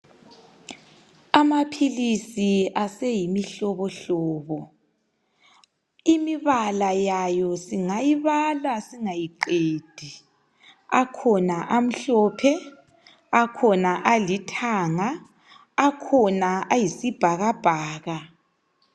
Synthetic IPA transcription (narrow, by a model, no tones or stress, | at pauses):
amapʰilisiasɛjimiɬɔβɔɬɔːβɔ | imiβalajajɔsiŋajiβalasiŋajiǃeːd̥ʱi | akʰɔnaʔam̩ɬɔpʰɛ | akʰɔnaʔalitʰaŋaː | kʰɔnaajisib̥ʱaɣab̥ʱaːɣa